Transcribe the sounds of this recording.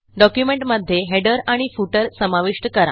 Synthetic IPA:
ɖɔkjumeɳʈməd̪ʱːjeɦeɖəɾaɽ̃ifuʈəɾsəmaʋiʂʈəkəɾa̰

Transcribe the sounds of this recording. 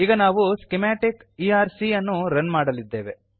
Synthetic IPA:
iːɡɐnaːʋuskemɛːʈikiːaːɾsiɐnːuɾɐnmaːɽɐlid̪ːe̞ːʋe̞

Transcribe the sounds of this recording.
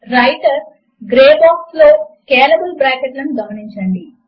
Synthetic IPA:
ɾɐjʈɐɾs | ɡɾeːbaːksloːskeːlɐbulbɾaːkeʈlɐnuɡɐmɐniɲt͡ʃɐɳɖi

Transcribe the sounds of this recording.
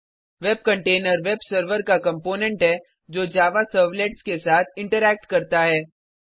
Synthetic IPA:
ʋɛb̚kɐ̃ɳʈeːnəɾʋebsəɾʋəɾkakɐ̃mpoːnɛ̃ɳʈɦɛː | d͡ʒoːd͡ʒaːʋasəɾʋleʈskesaːt̪ʰɪ̃ɳʈəɾɛːk̚ʈkɐɾt̪aɦɛː

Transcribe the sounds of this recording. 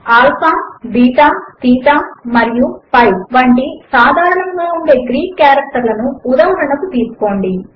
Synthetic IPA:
aːlpaːbiːt̪aːt̪iːt̪aːmɐɾijupɐjʋɐɳʈisaːd̪ʱaːɾɐɳɐŋɡaːuɳɖe̞ːɡɾiːkkːjaːɾɐk̚ʈɐɾlɐnuːd̪aːɦɐɳɐkut̪iːsu̥ko̞ːɳɖi

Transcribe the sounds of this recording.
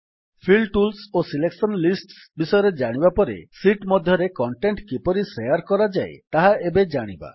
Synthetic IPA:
pʰilʈulsosileksɔnlisʈsbisɔjɔɾed͡ʒaɽ̃ibapɔɾḛsiʈmɔd̪ʱjɔɾekɔɳʈeɳʈkipɔɾisejaɾkɔɾad͡ʒaet̪aɦaebed͡ʒaɽ̃iba̰

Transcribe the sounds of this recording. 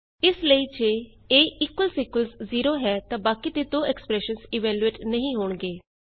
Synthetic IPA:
ɪsləiːd͡ʒeː | eːɪkːwəlsiːkəlzziːɾoːɦɛːt̪ãːbaːkiːt̪eːd̪oːɛːkspɾɛːʃənsɪːʋɛːlueːʈnəɦĩːɦoːɳɡeː

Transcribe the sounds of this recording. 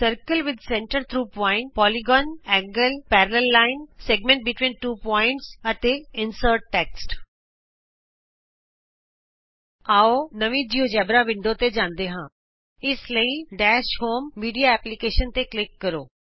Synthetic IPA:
səɾkəlʋɪd̪sɛ̃ɳʈəɾt̪ʰɾuːpɔːɪ̃ɳʈ̚pɔːliɡɔ̃ːnɛ̃ːŋɡəlpɛːɾələlːaːɪnsɛːɡmẽɳʈ̚bɪʈʋĩːnʈuːpɔːɪ̃ɳʈsɐt̪eɪnsəɾʈːɛːksʈ | aːonəʋĩd͡ʒiːod͡ʒɛːbɾaʋɪ̃ɳɖot̪ed͡ʒãːnd̪eɦãː | ɪsləiɖɛːʃhoːmːiːɖijaɛːplikeːʃənt̪eklɪkːɐɾo̰ː

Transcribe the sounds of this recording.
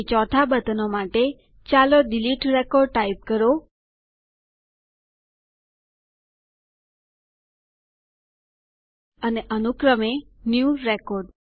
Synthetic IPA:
t͡ʃɔt̪ʰabət̪ənomaʈe | t͡ʃaloɖiliʈɾekɔɖ̚ʈaip̚kəɾo | əneʔənukɾəmenjuɾekɔɾɖ

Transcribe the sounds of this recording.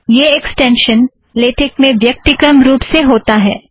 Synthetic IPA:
jeːɛksʈɛ̃ːnʃən | leːʈʰɪk̚mẽʋjɐk̚t̪ɪkəmɾuːpseɦoːt̪aɦɛː

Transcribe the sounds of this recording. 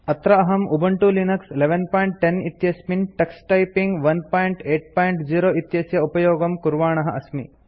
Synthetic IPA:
ɐt̪ɾɐɐɦɐmʔubʱɐɳʈulinɐksleʋenpaːjɳʈʈenit̪jɐsminʈɐksʈɐjpiŋɡʋɐnpaːjɳʈeːʈ̚paːjɳʈd͡ʒiːɾoːʔit̪jɐsjɐupɐjoːɡɐmkuɾʋaːɳɐɦɐɐsmḭ

